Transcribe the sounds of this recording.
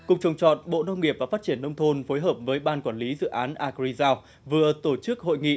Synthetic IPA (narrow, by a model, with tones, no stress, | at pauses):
kʊ˨˩ŋ͡m̚t͡ɕə˨˩wŋ͡mt͡ɕɔ˨˩t̚ɓo̰˧˨nə˧wŋ͡mŋi˨˩əp̚vaː˨˩faː˦˥t̚t͡ɕi˧˩ənːə˧wŋ͡mt̪ʰo˧nfo˨˦jɦəː˨˩p̚vəː˨˦jɓaː˧nkwaː˧˩nli˨˦zɨ̰˧˨ʔaː˨˦nʔaː˧˩ki˧zaː˧w | vɨ˨˩ət̪o˧˩t͡ɕɨ˦˥k̚ho̰˧˨jŋḭ˧˨